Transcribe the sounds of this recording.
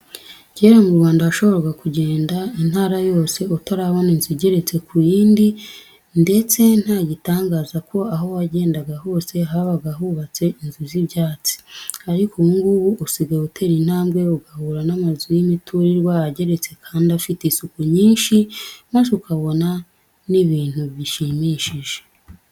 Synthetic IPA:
ɟeɾamuɾuβaːndaaʃo̞βo̞ɾaɡakuɟe̞ːndain̥haːɾajo̞ːse̞utaɾaβo̞ninziɟe̞ɾe̞t͡se̞kʰujiːndi | nde̞t͡se̞n̥haɟitaːŋɡaːzako̞aɦo̞waɟe̞ːndaɡaɦo̞ːse̞ɦaβaɡaɦuβat͡se̞inziziβɟaːt͡si̥aɾikʰouŋɡuβuʔusiɡautʰe̞ɾin̥haːmɡwe̞uɡahuːɾanamazujimitʰuɾiɾɡwaaɟe̞ɾe̞t͡se̞kʰaːndafitisukuɲiːnʃimasukaβo̞na | niβiːn̥huβjiʃimiʃiʒe̥

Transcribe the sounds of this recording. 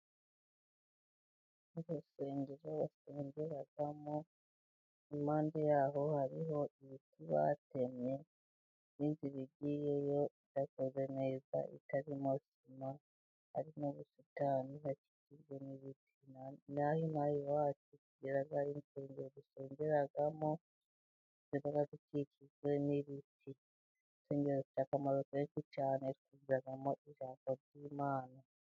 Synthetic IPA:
izose̞ːɲɟeɾoβaseːɲɟeɾaɡamo | imaːndejaːɦo̞haɾiɦo̞ʔiβitʰiβa̰te̞me̞ | ninziβiɟijejo̞itakoze̞neza̰ʔḭtaɾimosima | ha̰ɾinoβusitaninaci̥cizweniβitʰinnahinajiwaːtikuɟeɾaɡainse̞ːɲɟeɾoziseːɲɟeɾaɡamo | ziβaɡazicicizwe̞niβitʰi | nse̞ːɲɟeɾokut͡ʃaːkamaɾokeikut͡ʃaːnaeɾikuziɾaɡamoʔiʒaːmoɾɟiːmaːna

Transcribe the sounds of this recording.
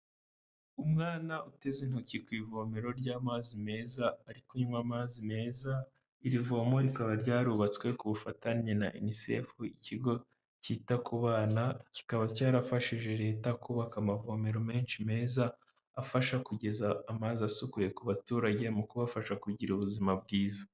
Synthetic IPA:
umŋaːnaʔute̞zin̥ucikwiːvo̞me̞ɾo̞ɾɟaːmazime̞ːzaːɾikoɲumamazime̞ːza | iɾivo̞mo̞ɾikaβaɾɟaːɾuːβat͡skwe̞kuβufataɲena̰ʔḭnise̞̰fuiciɡo̞ | ciːtakuβaːnaci̥kaβacaːɾafaʃiʒe̞ɾe̞ːtakuβakamavo̞me̞ɾome̞ːnʃime̞ːzaː | faʃakuɟe̞zaːmaziasukuje̞kuβatuːɾaɟe̞mukuβafaʃakuɟiɾuβuzimabɡiːzḁ

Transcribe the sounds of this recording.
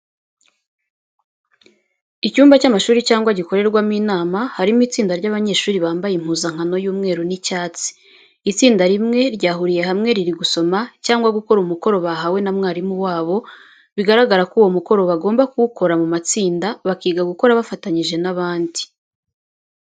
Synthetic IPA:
icuːmbacamaʃuːɾicaːŋɡwaɟiko̞ɾe̞ɾɡwamiːnaːmahaɾimuiːt͡siːndaɾɟaβaɲe̞ʃuːɾiβaːmbajim̥huːzaŋ̥hano̞juːmŋeːɾunicaːt͡si̥ | it͡siːndaɾimŋe̞ɾɟaːɦuɾije̞hamŋe̞ɾiɾiɡuso̞macaːŋɡwaɡuko̞ɾumuko̞ɾo̞βaɦawe̞namŋaːɾimuwaːβo̞ | βiɡaɾaɡaɾakuwo̞muko̞ɾo̞βaɡo̞ːmbakuuko̞ɾamumat͡siːndaβakiːɡaɡuko̞ɾaβafataɲiʒe̞naβaːndi̥

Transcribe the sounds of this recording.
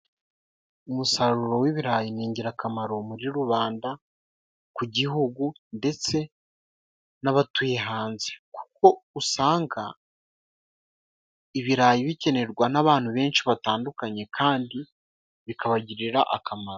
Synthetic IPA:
umusaɾuɾo̞wiβiɾaːjiniːɲɟiɾakamaɾo̞muɾiɾuβaːnda | kuɟiɦuɡunde̞t͡se̞ | naβatujeɦaːnze̞̥ku̥k̚o̞usaːŋɡa | iβiɾaːjiβice̞ne̞ɾɡwanaβaːn̥huβe̞ːnʃiβataːndukaɲe̞kʰaːndi | βikʰaβaɟiɾiɾaʔakamaɾo

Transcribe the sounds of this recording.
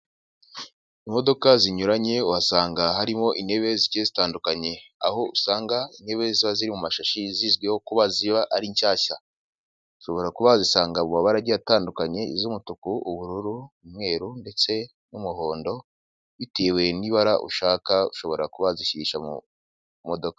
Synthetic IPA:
imo̞do̞kaziɲuɾaɲe̞uwasaːŋɡahaɾimo̞ʔine̞βe̞ziciezitaːndukaɲe̞a̰ho̞usaːŋɡainhe̞βe̞ziβaziɾimumaʃaʃiziːzɡweho̞kuβaziβaʔaɾiɲcaːça | uʃo̞βo̞ɾakuβazisaːŋɡamumaβaɾaɟiataːndukaɲe̞izumutukuʔuβuɾuɾuumŋe̞ːɾunde̞t͡se̞ | numuɦo̞ːndo̞ | βitewe̞niβaɾaʔṵʃaːkauʃo̞βo̞ɾakuβaziʃiʃamṵ | mo̞do̞kḁ

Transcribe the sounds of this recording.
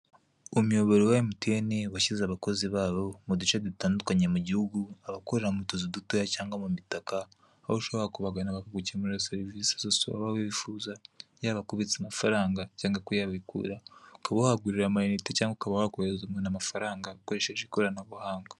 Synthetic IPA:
umjoβeɾojajimutenewaʃizaβako̞ziβaːβo̞mudut͡ʃaditaːndukaɲemuɟihuɡuaβakoɾeɾamutozidutojacaːŋɡamumitakaː | βoʃoβeakuβaɡanaβakaɡucemuɾoseɾvisḁsosua̰βaβiβifuːzajaːβakuβit͡samafaɾaːŋɡacaːŋɡakujaββikṵɾaukaβahaɡuɾiɾamainitecaːŋɡakaβahhakuzumenamafaɾaːŋɡaukoɾeʃeʒekoɾanaβuhaːŋɡa

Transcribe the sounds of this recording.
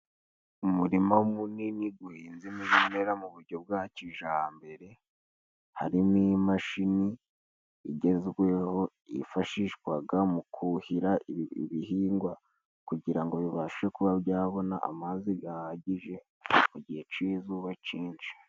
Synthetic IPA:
umuɾimaumuniniɡuhiːnzimiʒime̞ɾamuβuɾɟo̞b̚ɡaciʒaːmbe̞ɾe̞ | ha̰ɾinimaʃiniː | ɟe̞zɡwe̞ho̞ | ḭfaʃiʃkwaɡamukʰuhiɾaḭβihiːŋɡwa | kuɟiɾaŋɡo̞juβaʃekuβabjaːβo̞naʔa̰maziɡahaɟiʒe̞ | muɟihe̞t͡ʃizuβaciːnt͡ʃi̥

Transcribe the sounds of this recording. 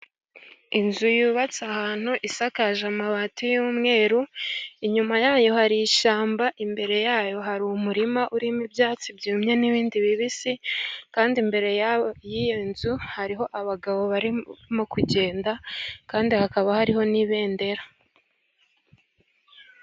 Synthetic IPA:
inzujuːβat͡sahaːn̥huʔisakaʒamaβatujumŋe̞ːɾuiɲumajaːjo̞haɾiiʃaːmbaʔimbe̞ɾe̞jaːjo̞ɦaɾumuɾimaʔuɾimibjaːt͡sibjuːmɲe̞niβiːndiβiβisikaːndimbe̞ɾe̞jajijenzuhaɾiɦo̞ʔaβaɡaβo̞βaɾimokuɟe̞ːndakaːndihakaβahaɾiho̞niβe̞ːnde̞ɾa

